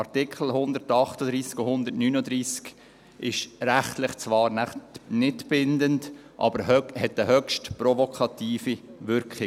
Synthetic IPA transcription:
ɑɾtɪkχl̩ɦʊnd̪əɾtɑχtəd̪ɾiːskɔhʊnd̪əɾtnyːnəd̪ɾiːsk | ʔɪʃɾæχtlɪχt͡svʋɑːɾnæχnɪtb̥ɪndənd | ʔɑ̰bəɾhœhɛtəhœkʃtprɔvɔkʰɑt̪iːfiʋʏɾkχɪ

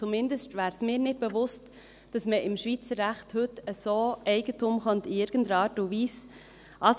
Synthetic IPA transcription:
t͡sumɪndəstvæːɾsmɪːɾnɪt̚b̥ɛvʊst | d̥ɑsməɪmʃviːt͡səɾːæχthɵtəsoːʔɛɪɡətʰumχɔntiɪɾɡ̥ən̩dəɾɑːɾtuviːs | ʔɑs

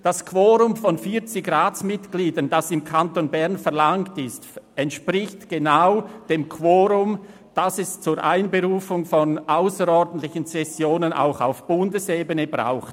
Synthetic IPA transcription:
d̥askʰv̥oːʁʊmfɔnfiːt͡sɪɡʁaːt͡smɪtɡ̥liːdɐnd̥asɪmkʰantoːnbɛʁnfɛɐlaŋtɪstɛntʃpʁɪçtɡ̥enaʊd̥eːmkʰvoːɾʊm | d̥asɛst͡suːɾʔaɪnbeʁuːfʊŋfɔnʔaʊsəɾɔɾdn̩tlɪçən̩sɛsjoːnənʔa̰ʊxa̰ʊfb̥ʊndəseːbənəbʁa̰ʊxt

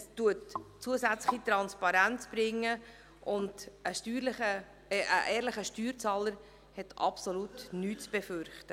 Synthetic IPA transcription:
stuətt͡suəsæt͡slɪχit̪ɾɑnspɑɾænt͡sb̥ɾɪŋːə | ʔʊnd̥əʃtyːɾləχə | ʔəʔɛːɾlɪχəʃtyːɾt͡sɑːləɾ | hɛtɑ̰psoluːtnyːtt͡sb̥ɛføɾχtə

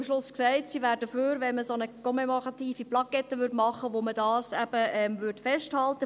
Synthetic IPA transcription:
mʃlʊsksæɪttsiʋæːɾdəføːɾʋɛnməsonəkʰɔmɛmoʁɑt̪iːfiplɑɡɛtəʋʏɾdmɑχəʋomədɑːsæb̥əɛmʋʏrtfɛʃthɑltə

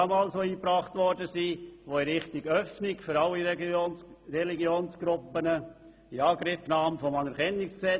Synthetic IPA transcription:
ɑmɑːlsoiːpɾɑːχtʋɔɾdəsiːʋoɪɾɪχtɪɡœfnɪɡfʏɾɑlːi | ɾɛliɡjoːnsɡ̥ɾʊpːənə | iɑːɡɾɪfnɑːmfɔmɑnəɾkʰɛnːɪksksɛ

